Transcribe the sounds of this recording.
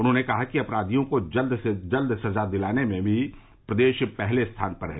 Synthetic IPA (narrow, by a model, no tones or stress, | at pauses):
ʊnɦõːnekɐɦakiɐpɾaːd̪ʱijõkod͡ʒɐld̪sed͡ʒɐld̪sɐzad̪ɪlaːnemẽbʱi | pɾɐd̪eːʃpɛɦlest̪ʰaːnpɐɾɦɛː